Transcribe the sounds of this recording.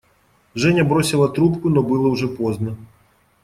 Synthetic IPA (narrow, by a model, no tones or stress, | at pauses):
ʐɛnʲɐbɾɔsʲɪlˠɐt̪ɾupkunɔbɨlˠɔwʐɛpɔznɐ